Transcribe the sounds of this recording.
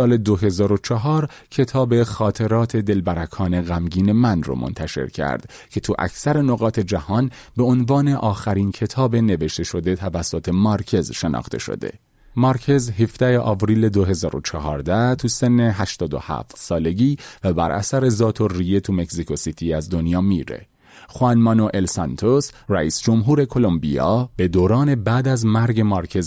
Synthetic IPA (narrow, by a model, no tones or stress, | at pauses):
ɒːle̞d̪oɦe̞zɒːɾo̞t͡ʃʰɒɦɒːɾ | cʰe̞t̪ʰɒːbe̞xɒːt̪ʰe̞ɾɒːt̪ʰe̞d̪e̞lbæɾækʰɒːne̞ɣæmɟiːne̞mænrɔ̰mʔo̰nt̪ʰæʃe̞̰ɾcʰæ̰ɾd̪̥ | cʰe̞t̪ʰuʔæ̰cʰsæɾe̞noɣɒːt̪ʰe̞d͡ʒæhɒːnbe̞onvɒːne̞ʔɒːxæɾiːncʰe̞t̪ʰɒːbe̞ne̞ve̞ʃt̪ʰe̞ʃo̞d̪e̞t̪ʰævæsːot̪ʰe̞mɒɾcʰe̞zʃe̞nɒ̰ːxt̪ʰe̞̰ʃo̰d̪e̞̰ | mɒɾcʰe̞zɦefd̪æheʔɒːvɾiːle̞d̪oɦe̞zɒːɾo̞̰t͡ʃʰɒɦɒːɾd̪æt̪ʰusenːe̞ɦæʃt̪ɒːd̪o̞̰hæ̰ːft̪sɒːle̞ɟiːvæbæ̰ɾʔæ̰sæɾe̞zɒːt̪ʰo̞rije̞t̪ʰume̞ksikʰo̞sit̪ʰiːæzd̪o̞njɒːmiːɾe̞̰ | xoænmɒːnoʔelsɑnt̪ʰosræʔiːsd͡ʒo̞mɦuːɾe̞kʰo̞lo̞mbḭjɒ̰ːb̥e̞d̪oːɾɒːne̞bæːd̪æzmæɾɟe̞mɒɾcʰe̞z